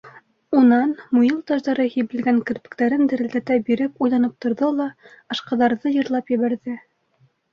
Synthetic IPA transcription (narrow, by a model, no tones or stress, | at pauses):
unɑnmujɤlˠt̪ɑʒðɑɾɤhiβɘ̆lɡæŋkɘ̆ɾpɘ̥̆kt̪æɾɘnd̪ɘ̆ɾɘ̆ld̪æt̪æbiɾɘpujlˠɑnɤp̚t̪ŏɾðɤlˠɑ | ɑ̆ʃqɑ̆ðɑɾðɤjɤ̆ɾlˠɑpjɘ̆βæɾðɘ